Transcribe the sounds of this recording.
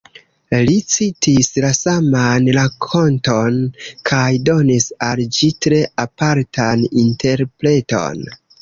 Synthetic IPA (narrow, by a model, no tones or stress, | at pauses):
lit͡sitislasamanɾakʰo̞nto̞nkʰajdo̞nisald͡ʒitɾe̞ʔapaɾtʰaninte̞ɾpɾe̞to̞̰n